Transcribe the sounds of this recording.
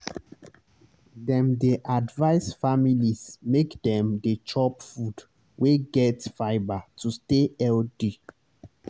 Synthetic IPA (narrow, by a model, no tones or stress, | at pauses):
dɛ̃mdeʔadvaɪsfamilismekdɛ̃mdet͡ʃɔpfud | weɡɛtfaɪbatʰusteɛldi